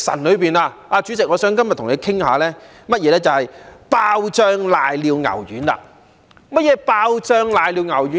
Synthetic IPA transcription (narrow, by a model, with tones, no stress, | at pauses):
sɐ̰˨˩nlɵ˨˧piː˨naː˧aː˧t͡ʃy˨˥t͡sɪ˨k̚ŋɔː˨˧sœː˨˥ŋkɐ˥mɐ˨t̪ʰʊ˨ŋle˨˧jkʰɪ˥ŋha̰ː˨˧lɛː˥ | mɐ˥t̚jɛː˨˧lɛː˥t͡sɐ˨whɐ˨jpaː˧wt͡ʃœː˧ŋlaː˨jliː˨˧wŋɐ̰˨˩wjyː˨˥nla̰ː˧ | mɐ˥t̚jɛː˨˧paː˧wt͡ʃœː˧ŋlaː˨˩jliː˧wŋɐ˨˩wjyː˨˥